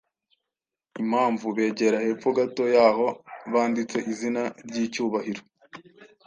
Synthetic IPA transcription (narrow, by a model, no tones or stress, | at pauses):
im̥haːɱvuβe̞ːɟe̞ɾahe̞ːfuɡato̞jaːɦo̞βaːndit͡se̞ʔizinaɾɟiːcuːβahiɾo̞